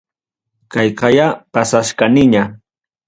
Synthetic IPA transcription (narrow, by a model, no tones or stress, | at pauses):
kɑjqɑjapasaʃkanɪɲa